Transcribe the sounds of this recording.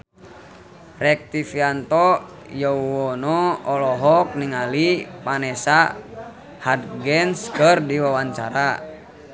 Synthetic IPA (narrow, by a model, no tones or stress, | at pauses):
rɛk̚t̪ifiant̪ɔ | jɔuwɔnɔɔlɔɦɔk̚niŋalipanɛsa | had̪ɡɛnskərdiwawaɲt͡ʃa̰ɾa